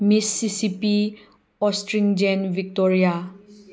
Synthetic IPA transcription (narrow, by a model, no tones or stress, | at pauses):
misːisipi | ɔsʈɹiŋd͡ʒɛnvik̚tɔɹia